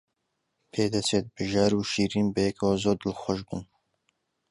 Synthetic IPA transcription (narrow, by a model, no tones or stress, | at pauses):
pʰeːd̪ɛset̪̚bɨʒaːɾuːʃiːɾiːnbɨjɛkʰwazoːɾd̪ɨlxʷɔʃbṵn